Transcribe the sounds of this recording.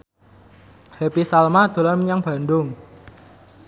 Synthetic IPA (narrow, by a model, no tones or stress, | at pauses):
hepisalmad̪̥o̤lanməɲaŋb̥a̤ndʊŋ